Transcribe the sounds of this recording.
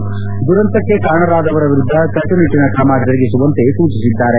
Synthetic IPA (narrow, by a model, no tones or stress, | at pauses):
d̪uɾɐnt̪ɐkːekaːɳɐɾaːd̪ɐʋɐɾɐʋiɾud̪ʱːɐkɐʈːɐniʈːinɐkʰamaːɡɐɾiɡisuʋɐnt̪e̞t̪uːt͡ʃisid̪ːaːɾe